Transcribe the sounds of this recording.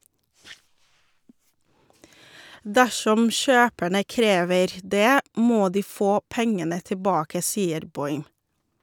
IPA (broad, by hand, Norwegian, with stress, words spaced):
ˈdæʃɔm ˈʃøːpæɳə ˈkɾeːʋəɾ ˈdeː ˈmoː ˈdiː ˈfoː ˈpɛŋənə təˈbɑːkə ˈsiːəɾ ˈbɔʏm